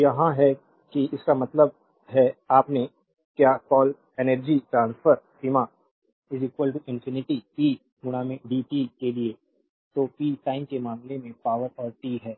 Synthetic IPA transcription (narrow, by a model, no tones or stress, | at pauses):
jɐɦãɦɛ | kiɪskamɐt̪ləb̚ | ɦɛaːpne | kjaːkɔːl | enəɾd͡ʒiʈɾãːnsfʰəɾsiːma | ɪziːkwəlʈuʔɪ̃nfʰɪnɪʈipiː | ɡʊɽ̃amẽɖiːʈikelie | t̪opiːʈaːɪmkemaːmlemẽpaːʋəɾɔːɾʈiːɦɛː